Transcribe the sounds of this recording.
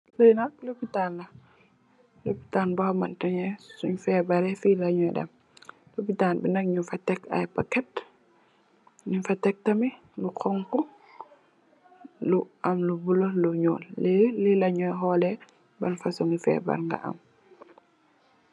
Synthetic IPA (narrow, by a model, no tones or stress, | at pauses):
səjnɐk̚lopitanlɐ | lopitanbahmantɐɲɛsuɲfɛːbaɾɛfilaɲɔjdɐ̰m | lopitanbinɐk̚ɲufatɛka̰jpakɛt | ɲufatɛk̚tɐmi | lukʰɔŋkɔ | luʔamlubuloluɲɔ̰ːllɛlilɐɲɔjɦɔlɛ | bɐnfasuŋufɛ̰ba̰ɾŋɡa̰ʔɐ̰m